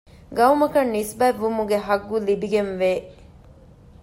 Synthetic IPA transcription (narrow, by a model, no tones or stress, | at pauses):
ɡɐwmɐkɐnːisbæːʋːumuɡeɦɐɡːulibiɡenʋeː